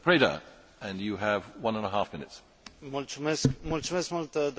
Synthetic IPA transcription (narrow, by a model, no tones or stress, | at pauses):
pʰɹ̥eɪɾə̰ | ɨ̃njɨəvwʌ̃nə̃nəɦafmɪ̃nɨts | mult͡ʃʰmeskmult͡ʃʰumesmɐlt̪əd̪